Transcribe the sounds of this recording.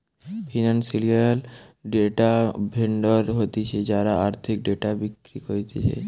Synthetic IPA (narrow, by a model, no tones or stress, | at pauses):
fʰinansilialɖeʈabʱeɳɖɔɾɦot̪it͡ɕʰed͡ʑaɾaaɾt̪ʰik̚ɖeʈabikɾikoɾit̪et͡ɕʰḛ